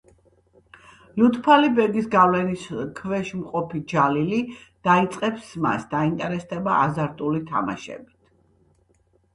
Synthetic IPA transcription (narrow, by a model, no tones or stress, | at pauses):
lut̪ʰpʰalibɛɾɡisɡavlɛniskʰvɛʃmqʼɔpʰid͡ʒalilid̪̥ait̪sʼqʼɛpsma̰sd̪aint̪ʼɛɾɛst̪ʰʼɛbaʔazaɾt̪ʼulit̪ʰa̰ma̰ʃɛ̰bit̪ʰ